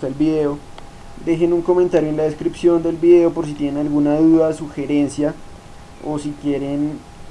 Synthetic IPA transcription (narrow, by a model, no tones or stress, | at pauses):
aelbiðe̞o | d̪e̞xe̞nuŋko̞mẽnt̪aɾjoenlaðeskɾipsjo̞nd̪e̞lbiðe̞o̞po̞ɾs̬it̪je̞nenalɣunaðuðasuxe̞ɾe̞nsja | osikje̞ɾen